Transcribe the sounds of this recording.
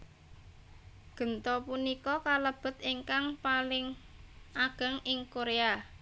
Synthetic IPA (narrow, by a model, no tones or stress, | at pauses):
ɡ̥ə̤nt̪ɔpunikɔkaləb̥ə̤t̪iŋkaŋpalɪŋʔaɡ̥ə̤ŋɪŋkoɾea